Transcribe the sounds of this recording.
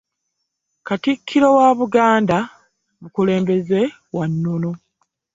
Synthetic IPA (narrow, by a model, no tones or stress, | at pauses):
katikʰːiɾo̞waːβuɡaːnda | βukule̞ːmbe̞ze̞ | wanːono̞